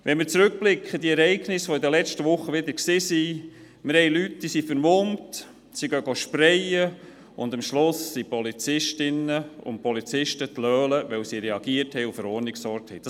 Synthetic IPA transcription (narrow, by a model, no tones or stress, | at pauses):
ʋʔɛnmɪɾt͡sɾɵk̚b̥lɪkχəd̪iɛɾɛɪɡnɪsʋoɪd̪əlɛt͡ʃtəʋʊχːəʋɪd̪əɾksɪːsi | mɪɾhɛɪlytdisifəɾmont | siɡœɡoʃpɾɛjə | ʊnd̪əmʃlʊsːipɔlit͡sɪʃtɪnːəʊ̰npɔlit͡sɪʃtət̪lœːləʋɛwsiɾɛɑɡ̥iəthɛɪʊfəɾɔːɾnɪksɔɾk̚thɛɪd̥ɑ